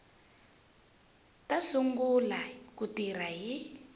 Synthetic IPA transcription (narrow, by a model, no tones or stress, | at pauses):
tasuŋɡulakutiɾ̤aɦi